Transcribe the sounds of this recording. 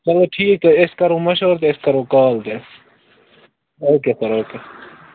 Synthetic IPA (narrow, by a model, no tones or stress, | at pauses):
pɐloʈʰiːk̚t̪oɪskɐɾõːmɐʃoːɾt̪eɪskɐɾõːkaːlt̪es | oːkeːsɐɾoːkeː